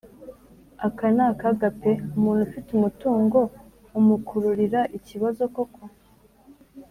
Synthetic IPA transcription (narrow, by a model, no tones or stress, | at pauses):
akanakaɡape̞umuːnhufitumutuːŋɡo̞ | umukʰuɾuɾiɾaʔiciβazo̞ko̞kʰo̞